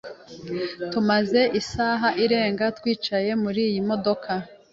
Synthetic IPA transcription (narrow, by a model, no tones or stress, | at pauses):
tumaze̞ʔisaːɦaʔiɾe̞ːŋɡatwiːt͡ʃaje̞muɾiːjimo̞do̞kʰa